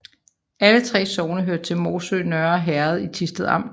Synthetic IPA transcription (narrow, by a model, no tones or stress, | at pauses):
ælət͡sʰʁɛ̰ːsɒʊnəɦøɐ̰d̥̚t͡sʰe̝lmo̝ːsø̰ːnœɐɒɦæɐð̞̩ˠit͡sʰisd̥əð̩ˠɑ̈m̰